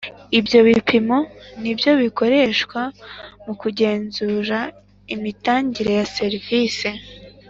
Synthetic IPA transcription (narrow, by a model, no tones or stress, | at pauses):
ibjo̞βipʰimo̞nibjo̞βiko̞ɾe̞ʃkwamukuɟe̞ːnzuɾa | imitaːɲɟiɾe̞jase̞ɾiviːse̞